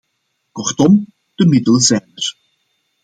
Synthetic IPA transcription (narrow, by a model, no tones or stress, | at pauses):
kɔrtɔm | d̥əmɪdəlˠzɛːnər